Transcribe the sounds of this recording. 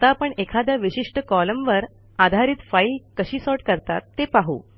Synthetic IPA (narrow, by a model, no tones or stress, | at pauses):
t̪apəɳekʰad̪jaʋiɕiʂʈəkɔləmʋəɾ | ad̪ʱaɾiːt̪failkəɕiːsɔɾʈkəɾt̪a̰t̪ːepaɦṵː